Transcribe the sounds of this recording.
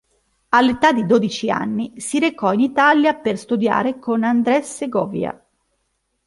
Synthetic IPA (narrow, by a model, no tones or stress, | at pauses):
alːet̪ad̪id̪oːd̪it͡ʃia̰nːisiɾekɔinit̪aljaperst̪ud̪ja̰ːɾekonand̪ɾɛsːeɡɔːvja̰